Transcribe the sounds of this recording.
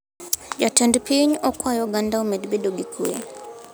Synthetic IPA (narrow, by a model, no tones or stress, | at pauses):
jatɛndpiɲɔkwajɔɡandaɔmɛdbɛdɔɡikʰuɛ̰